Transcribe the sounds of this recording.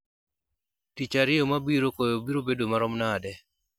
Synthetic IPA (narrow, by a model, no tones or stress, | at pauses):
tit͡ʃaɾɪomabiɾokojobiɾobedomaɾɔmnadɛ